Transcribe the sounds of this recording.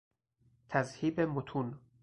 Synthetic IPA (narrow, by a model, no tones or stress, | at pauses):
t̪ʰæzhiːbemot̪ʰun